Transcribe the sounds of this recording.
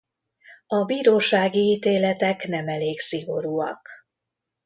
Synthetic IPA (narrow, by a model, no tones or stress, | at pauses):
ɒbiːɾoːʃaːɡiiːt̪eːlɛt̪ɛkn̪ɛmɛleːksiɡo̞ɾuːɒ̰k